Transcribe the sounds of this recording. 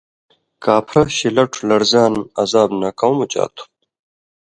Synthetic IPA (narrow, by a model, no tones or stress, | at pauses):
kaːpʰɾɐɕilɐʈʰulɐɾzaːnɐzaːbnɐkawmut͡ɕa̰ːt̪ʰu̥